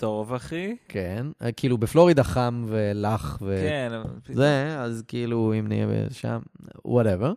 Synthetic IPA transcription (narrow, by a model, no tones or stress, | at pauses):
t̪ovaχikʰenkiilubeflo̞ʁid̪aχamvelaχveenzeazkiiluimnḭḛbḛʃa̰mwoɾɛveʁ